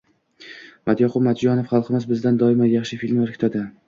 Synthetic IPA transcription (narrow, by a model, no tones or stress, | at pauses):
mat̪jɒqʰʊbmat̪d͡ʒɒnofχɑlˠqʰɨmɪzbɪzd̪and̪ɒɪmajaχʃɪfilʲmaɾkʰʲt̪ʰad̪ɪ